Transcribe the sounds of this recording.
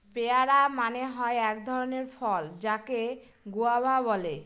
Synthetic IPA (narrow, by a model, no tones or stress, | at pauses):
peaɾamaneɦɔeɛk̚d̪ʱɔɾoneɾfɔld͡ʑake | ɡuabʱabɔle